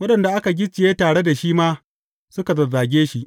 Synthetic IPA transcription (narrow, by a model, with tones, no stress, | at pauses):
wɐ˦ɗɐ˨nda˨ʔa˦ka˨ɡʲɪ˦t͡ʃːɪ˨jeː˦taː˨ɽe˦da˨ʃiː˦maː˦ | sʊ˦ka˨zɐ˨zaː˨ɡʲeː˦ʃi˦ʔ